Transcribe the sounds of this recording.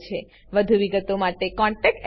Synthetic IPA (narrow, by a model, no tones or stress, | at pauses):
t͡ʃʰe | ʋəd̪ʱuʋiɡət̪omaʈekɔ̃ɳʈɛkɛ